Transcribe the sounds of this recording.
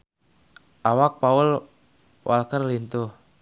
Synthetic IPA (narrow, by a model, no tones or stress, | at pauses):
ʔawak̚paʊl | wʔa̰lkərlint̪ʊh